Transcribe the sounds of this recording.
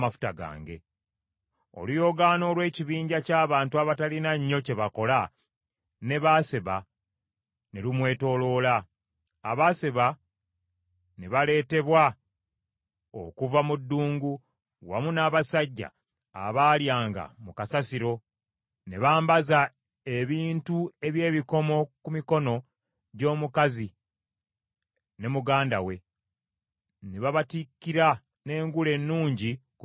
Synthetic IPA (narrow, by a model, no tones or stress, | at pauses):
mafu̥taɡa̰ːŋɡe̞̰ | o̞̰lujo̞ɡano̞ːlwe̞ːciβiːɲɟacaːβaːntuaβatalinaɲːo̞ce̞βako̞la | ne̞βaseβa | ne̞lumwe̞ːto̞ːlo̞laː | βaseβa | ne̞βale̞ːte̞βwa | o̰kuvamudːuːŋɡu | wa̰munaːβasaɟːa̰ː | βaːljaːŋɡa̰mukasasiɾo̞ | ne̞βaːmbaza | e̞βiːntue̞βje̞ːβiko̞mo̞kumiko̞no̞ | ɟo̞ːmukazi | ne̞muɡaːnda̰we̞ | neβaβatikːiɾa | ne̞ːŋɡule̞nːuːɲɟi